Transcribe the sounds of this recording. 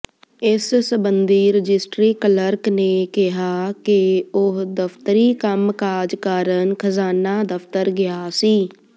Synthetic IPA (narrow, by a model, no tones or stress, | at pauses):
ɪsːəbənd̪ʱiɾəd͡ʒɪsʈɾiːkələɾknekɪɦakeʊɦd̪əfʰt̪əɾikəmkad͡ʒkaːɾənkʰəzaːnad̪əfʰt̪əɾɡɪjaːsiː